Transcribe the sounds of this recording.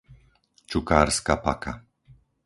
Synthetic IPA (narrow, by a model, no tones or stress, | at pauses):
t͡ʃukaːɾskapaka